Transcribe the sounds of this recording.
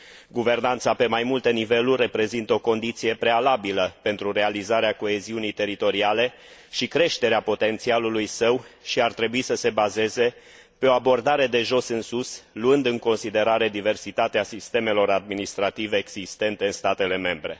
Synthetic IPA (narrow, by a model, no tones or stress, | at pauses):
ɡuve̞rnant̪sape̞majmult̪e̞nive̞lurʲːe̞pɾe̞zint̪əo̞ko̞nd̪it̪sije̞pɾe̞alabiləpe̞nt̪ɾuɾe̞alizaɾeako̞e̞ziunijt̪e̞ɾit̪o̞ɾiale̞ | ʃikɾe̞ʃt̪e̞ɾeapo̞t̪e̞nt̪sialulujsəwʃiart̪ɾe̞buisəse̞baze̞ze̞ | pe̞o̞abo̞rd̪aɾe̞d̪e̞ʒo̞sɨnsusluɨnd̪ɨŋko̞nsid̪e̞ɾaɾe̞d̪ive̞rsit̪at̪easist̪e̞me̞lo̞ɾad̪̚minist̪ɾat̪ive̞ːɡz̥ist̪e̞nt̪e̞ɨnst̪at̪e̞le̞me̞mbɾe̞̰